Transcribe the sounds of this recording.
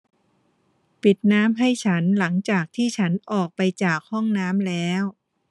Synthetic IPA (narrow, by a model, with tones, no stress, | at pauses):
pi˨˩t̪̚naː˦˥mɦa˥˩jt͡ɕʰa˦˥nla˩˦ŋt͡ɕaː˨˩k̚t̪ʰiː˥˩t͡ɕʰa˦˥nʔɔː˨˩k̚pa˧jt͡ɕaː˨˩k̚hɔ˥˩ŋnaː˦˥mlɛː˦˥w